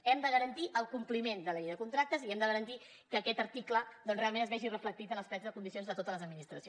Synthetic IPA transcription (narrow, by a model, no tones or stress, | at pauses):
ɛmd̪əɣəɾənt̪iʔəlˠkumplimend̪əlɛjðəkunt̪ɾak̚t̪əziɛmd̪əɣəɾənt̪i | kəːkɛt̪əɾt̪ikləd̪ɔnsreamẽnəzβɛʒirəflək̚t̪it̪ənəspɾɛzðəkund̪isionzðət̪ot̪ələzəd̪minist̪ɾəsi